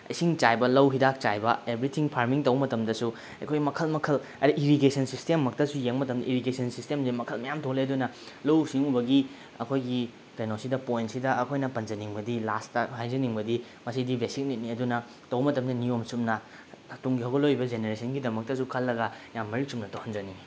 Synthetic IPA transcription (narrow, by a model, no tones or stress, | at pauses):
ɐ̰jsiŋt͡ʃajbɐlɐwɦidak̚t͡ʃajbɐebɾitʰiŋpʰaɾmiŋtɐwbɐmɐtɐmdɐsu | ɐ̰jkʰojɡimɐkʰɐlmɐkʰɐlɐɾiʔiɾikesɐnsistemːɐk̚tɐsujeŋmɐtɐmdɐʔiɾikesɐnsistemzimɐkʰɐlmɐjamtʰoleɐdunɐlɐwsiŋubɐɡi | ɐ̰kʰojɡi | kejnosidɐpojntsidɐɐkʰojnɐpɐnd͡ʒɐniŋbɐdilastɐhajzɐniŋbɐdi | mɐsidibesik̚nit̚niɐdunɐ | tɐwbɐmɐtɐmdɐniomsumnɐ | tuŋɡiɦɐwɡɐlojbɐd͡ʒeneɾesʰɐnɡidɐmɐk̚tɐs̬ukʰɐlːɐɡɐjamːɐɾisumnɐtowhɐnd͡ʒɐni